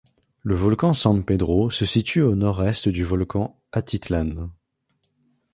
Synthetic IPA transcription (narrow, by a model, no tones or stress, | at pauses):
ləvɔlkɑ̃sɑ̃ped̪ʁosəsit̪yonɔʁɛst̪d̪yvɔlkɑ̃ | at̪it̪lan